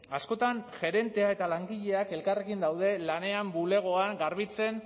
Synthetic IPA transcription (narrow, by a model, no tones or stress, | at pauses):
asko̞t̪anʝe̞ɾe̞nt̪e̞ae̞t̪alaŋɡiʎe̞ake̞lkare̞kind̪awðe̞lane̞ambule̞ɣ̞o̞aŋɡaɾβit͡se̞n